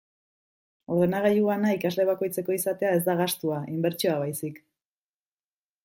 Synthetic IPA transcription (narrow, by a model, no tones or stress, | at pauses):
o̞ɾð̞e̞naɣaʎuanaikazle̞β̞ako̞jt͡se̞ko̞isat̪e̞ae̞zd̪aɣ̞ast̪uaʔimbe̞ɾt͡ʃio̞aβajsik